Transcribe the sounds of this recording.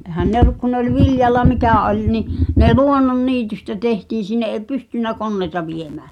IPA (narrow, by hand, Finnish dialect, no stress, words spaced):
ehæn ne ŏlːŭk ku nĕ olʲ ʋiljɑlːɑ mikæˑ olʲ ni ne luonːonːiːtystæ tehtiːn̞̆ sinːe ʔeˑ pystynˑæ konːeĭtɑ ʋiemæː